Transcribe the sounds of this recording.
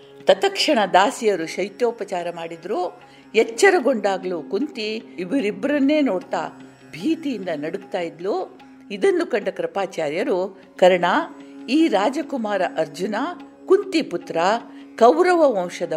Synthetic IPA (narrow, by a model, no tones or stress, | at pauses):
t̪ɐt̪ɐkʂɐɳɐd̪aːsijɐɾuʃɐjt̪joːpɐt͡ʃaːɾɐmaːɽid̪ɾuː | jɛt͡ʃːɐɾɐɡo̞ɳɖaːɡɐluːkunt̪iːbɐɾibɐɾɐnːe̞ːnoːɽt̪a̰ː | bʱiːt̪ijind̪ɐnɐɽuk̚t̪aːjid̪luː | id̪ɐnːukɐɳɖɐkɾɐpaːt͡ʃaːɾjɐɾu | kɐɾɐɳaːiːɾaːd͡ʒɐkumaːɾɐʔɐɾd͡ʒunaː | kunt̪iput̪ɾɐ | kɐwɾɐʋɐʋɐ̃wʂɐd̪ɐ